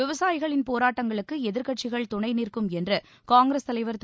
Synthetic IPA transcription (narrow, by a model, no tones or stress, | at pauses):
ɪʋɐsaːjɪɣɐɭɪnpoːɾaːʈːɐŋɡɐɭɯkːɯɛðɪɾkɐʈ̚t͡ʃɪɣɐɭt̪ʊɳɐɪniːrkɯmɛndrɐ | kaːŋɡɾeːst̪ɐlɐɪʋɐɾt̪